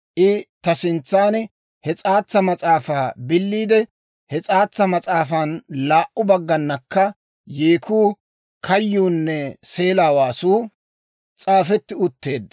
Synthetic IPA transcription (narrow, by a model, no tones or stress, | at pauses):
ʔɪt̪ɐsɪnt͡sːaːn | hɛt͡sʼaːt͡sːɐmɐt͡sʼaːfaːbɪlːiːd̪ɛ | hɛt͡sʼaːt͡sːɐmɐt͡sʼaːfanlaːʔʊbɐɡːɐnːɐkːɐ | jeːkʰuː | kʰɐjːuːnːɛse̞ːlaːwaːsuː | t͡sʼaːfɛt̪ːɪʊt̪ːe̞ːd̪ːɐ